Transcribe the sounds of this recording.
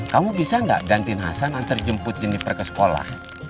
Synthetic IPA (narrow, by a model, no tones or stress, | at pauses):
kamubisaŋɡa̰ʔɡant̪ɪnɦa̰sanant̪ərd͡ʒəmpʊt̪̚d͡ʒənɪpərkəsə̥kola̰h